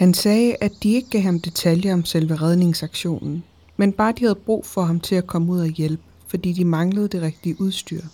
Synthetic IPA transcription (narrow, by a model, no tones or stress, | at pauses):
hænsɛːæd̥ie̝ɡ̥əɡ̥æ̰ːhɑ̈md̥e̝t͡sʰæljɐɒ̽msel̰ʋeʁɛð̞ˠne̝ŋsɑ̈ɡ̥ɕo̝̰ːnn̩ | menb̥ɑ̈ːd̥ihæðˠb̥ʁṵːfɒ̽ɦɑ̈mt͡sʰe̝lækʰɒ̽məuð̰ˠæjelb̥əfɒ̽d̥ḭːd̥imɑ̈ŋləð̩ˠd̥e̝ʁɛɡ̥̚d̥iəʔuð̞ˠsd̥yɐ̰